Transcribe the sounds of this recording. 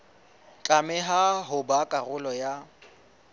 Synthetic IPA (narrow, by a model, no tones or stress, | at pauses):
t͡ɬʼamɛɦaɦʊbakʼarʊlɔja